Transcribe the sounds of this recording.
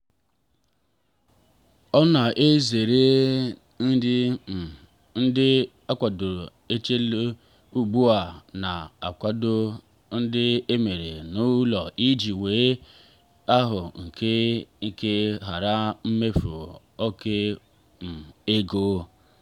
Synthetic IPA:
ɔ˦na˨ʔe˦ze˨ɾe˦ | n̩˦dɪ˦m̩˨ | n̩˦dɪ˦ | a˦kʷa˨dʊ˨ | e˦t͡ʃe˦l | u˦ɡ͡bu˦a˨na˨a˨kʷa˦do˦ | n̩˦dɪ˦e˦me˨ɾe˨nʊ˦lɔ˨ʔi˦d͡ʒi˨weː˨˦ | a˦ɦʊ˨ŋ̩˨ke˦ŋ˨ke˦ɦa˨ɾa˦m̩˦me˦fu˨ | ɔ˦ke˦ | m̩˨e˦ɡoː˦

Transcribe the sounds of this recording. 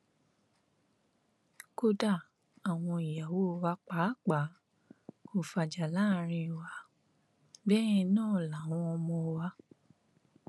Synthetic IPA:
ko˧˦da˦˨ | a˨w̃ɔ̃˧i˨ja˨wo˦˨wa˧˦k͡pa˨˦k͡pa˨˦ | ko˨fa˨d͡ʒa˨la˦˨ɾ̃ĩ˧˨wa˧ | bɛ˦ĩ˧nãː˦˨la˨w̃ɔ̃˧ɔ˧mɔ̃˧wa˧

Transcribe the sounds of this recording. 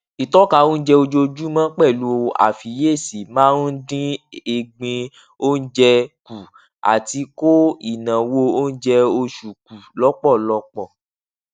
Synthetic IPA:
i˨tɔ˦ka˧wõ˦n̩˦d͡ʒɛ˧o˧d͡ʒo˧d͡ʒu˦mã˦k͡pɛ˦˨lu˨˦o˧a̰˨fi˨˦je˦˨si˨mãː˦dĩ˦e˧˨ɡ͡bĩ˧ | o˦n̩˦d͡ʒɛ˧ku˨ | a̰˨ti˧˦ko˦i˦˨nã˨wo˧o˦n̩˦d͡ʒɛ˧o˧ʃu˨ku˨lɔ˦k͡pɔ˦˨lɔ˨˦k͡pɔ˦˨

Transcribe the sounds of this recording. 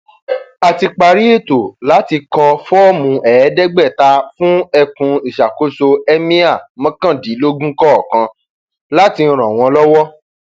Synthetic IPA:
a˧ti˧k͡pa˧ɾi˦e˦˨to˨la˨˦ti˧kɔ˧fɔ˦mũ˧ʔɛ˨˦dɛ˦ɡ͡bɛ˦˨ta˧fũ˦ɛ˧kũ˧i˨ʃa˨ko˨˦so˧ɛ˦mĩ˦a˦˨mɔ̃˦kã˦˨di˨˦lo˦ɡũ˦kɔ˦ɔ˨kã˧ | la˦ti˧n̩˦˧ɾ̃ɔ̃˨w̃ɔ̃˧lɔ˦wɔ˦

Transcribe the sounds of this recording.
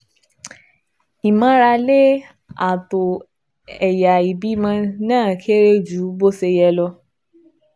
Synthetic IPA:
i˨mã˨˦ɾa˧le˦ | a̰˨to˨ | ɛ˨ja˨i˨bi˨˦mã˧nãː˦˨kʰe˦ɾe˦d͡ʒu˨˦bo˦se˧jɛ˧lɔ˧

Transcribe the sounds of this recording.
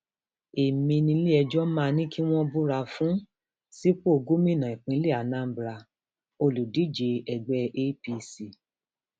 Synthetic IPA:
e˨mĩ˧nĩ˧˦le˦ɛ˧d͡ʒɔ˦mãː˦˧nĩ˦ki˦w̃ɔ̃˦bu˦ɾa˧fũ˦ | si˦k͡po˦o˨˧ɡo˦mĩ˦˨nã˨i˨k͡pĩ˨˦le˦˨a˨nã˦bɾa˧ | o˧lu˨di˨˦d͡ʒe˧ɛ˨ɡ͡bɛ˧ʔe˦pi˧si˨

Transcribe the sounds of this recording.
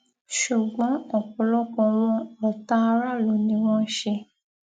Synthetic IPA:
ʃu˨ɡ͡bɔ̃˨˦ɔ˦˨kɔ˨lɔ˦kɔ̃˧w̃ɔ̃˧ɔ˨ta˦˧ɾa˦˨lo˨˦nĩ˨˧˦w̃ɔ̃˦ʃe˧

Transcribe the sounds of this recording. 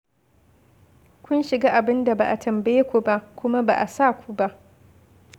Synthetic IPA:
kʷʊ˦nʃɪ˨ɡaː˦ʔa˨bɪ˦nda˨ba˨ʔa˨tʰɐ˨mbɐ˦je˦kʷu˨ba˦ʔkʷʊ˦ma˦ba̰˨ʔa˨sa˦˨kʷu˦ba˦ʔ

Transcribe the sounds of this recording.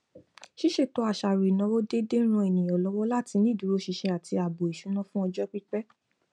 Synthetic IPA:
ʃi˦ʃe˦˨to˨˦a˨ʃa˨ɾi˨nã˨˦wo˦de˦de˦ɾ̃ũ˧e˨nĩ˨j̃ɔ̃˨lɔ˨˦wɔ˦la˦˨ti˧nĩ˦du˨˧˦ɾo˦ʃi˧ʃe˧a˨ti˧a˨bo˨i˨ʃu˨˦nɔ̃˦fũ˦ɔ˧d͡ʒɔ˦k͡pi˦k͡pɛ˦

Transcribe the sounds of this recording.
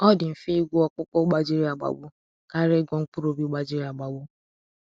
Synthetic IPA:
ɔ˦dɪ˨m̩˨fi˦i˦ɡʷʊ˦ɔ˦kʊ˦kɔ˦ɡ͡ba˦d͡ʒi˦ɾi˦a˨ɡ͡ba̰˨bʊ˦ | ka˦ɾɪ˦ɡʷɔ˦ŋ̩˦k͡pu˦ɾo˦bi˦ɡ͡ba˦d͡ʒi˦ɾi˦a˨ɡ͡ba˨ɡ͡bʊ˦

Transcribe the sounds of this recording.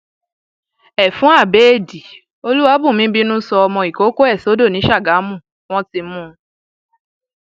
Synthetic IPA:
ɛ˨fũ˨˦a˦˨be˨˦e˦˨di˨ | o˧lu˦wa˨˦bũ˦˨mĩ˨˦bi˦nũ˦sɔ˧ɔ˧mɔ̃˧i˨ko˨˦ko˦ɛ˦˨so˨˦do˦˨nĩ˨˦ʃa˦˨ɡa˨˦mũ˦˨ | w̃ɔ̃˦ti˧mũ˦

